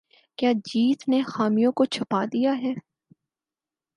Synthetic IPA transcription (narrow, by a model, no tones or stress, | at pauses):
kjaːd͡ʒiːt̪nexaːmijõkot͡ʃʰɐpad̪ijaɦɛː